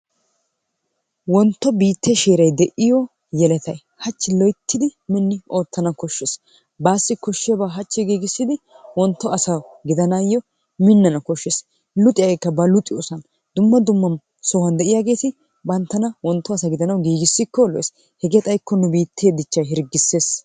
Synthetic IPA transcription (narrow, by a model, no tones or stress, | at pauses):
wɔnt̪ːɔbiːt̪ʰːeʃeːɾɐjd̪ɛʔɪjɔ | jɛlɛt̪ʰɐj | hɐt͡ʃːɪlɔjt̪ʰːɪd̪ɪmɪnːɪo̞ːt̪ːɐnɐkɔʃːɛs | baːsːɪkɔʃːɪɐbaːɦɐt͡ʃːɪɡiːɡɪsːɪd̪ɪ | wɔnt̪ːɔɐsɐɡɪd̪ɐnajːɔ | mɪnːɐnɐkɔʃːeːs | lʊt̪ʼɪɐɡɛjkːɐbɐlʊt̪ʼɪjosɐn | d̪̥ʊmːɐd̪ʊmːɐn | sɔhɐnd̪ɛʔɪjaɡe̞ːt̪ɪ | bɐnt̪ːɐnɐwɔnt̪ːɔɐsɐɡɪd̪ɐnɐwɡiːɡɪsːɪkːɔlɔ̰jes | hɛɡeːt̪ʼɐjkːɔnʊbiːt̪ʰːeːd̪ɪt͡ʃːɐjɦɪɾɡːɪsːe̞ːs